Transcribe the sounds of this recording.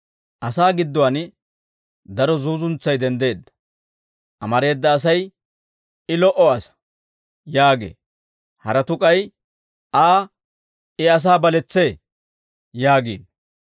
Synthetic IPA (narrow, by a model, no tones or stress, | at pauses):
ʔɐsaːɡɪd̪ːɔwɐn | d̪ɐɾɔzuːzʊnt͡sːɐjd̪ɛnd̪e̞ːd̪ːɐ̥ | ʔɐmɐɾe̞ːd̪ːɐːs̬ɐj | ɪlɔʔɔɐsɐ̥ | jaːɡḛː | hɐɾɛt̪ʊkʼɐj | aː | ɪɐs̬aːbɐlɛt͡sːe̞ː | jaːɡḭːn